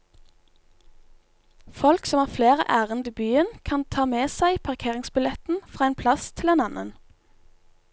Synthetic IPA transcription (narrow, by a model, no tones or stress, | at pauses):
fɔlksɔmhæːʁfleːʁə̰ʔæːʁənd̪iːbyːənkʰɑnt̪ʰɑːmeːsæɪpʰɑʁkʰeːʁɪŋsbɪlɛt̪n̩fʁɑːeːnpʰlɑst̪ʰɪleːnɑnʔə̰n